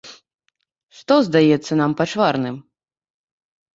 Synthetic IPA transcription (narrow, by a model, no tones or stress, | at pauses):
ʂt̪ɔzd̪ajɛt̪sːɐnampat͡ʂvaɾnɨm